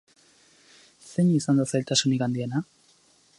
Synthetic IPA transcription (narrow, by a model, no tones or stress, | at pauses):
se̞ɲisand̪asajlt̪asunikand̪iena